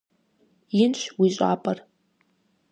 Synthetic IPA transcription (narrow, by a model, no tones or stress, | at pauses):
ɪnʃʷwiʒʷʼa̰pʼar